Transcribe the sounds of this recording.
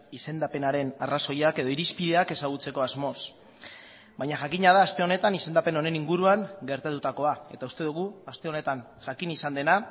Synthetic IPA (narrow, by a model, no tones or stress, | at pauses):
ise̞nd̪ape̞naɾe̞naraso̞jake̞ð̞o̞iɾispið̞e̞ake̞saɣ̞ut͡se̞ko̞azmo̞s | bajɲaʝakiɲað̞aːst̪e̞o̞ne̞t̪anise̞nd̪ape̞no̞ne̞niŋɡuɾuaŋɡe̞ɾt̪at̪ut̪ako̞ae̞t̪aust̪e̞ð̞uɣ̞uast̪e̞o̞ne̞t̪an | ʝakinisand̪e̞na